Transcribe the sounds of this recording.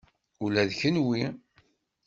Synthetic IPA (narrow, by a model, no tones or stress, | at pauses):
ulæðçənwi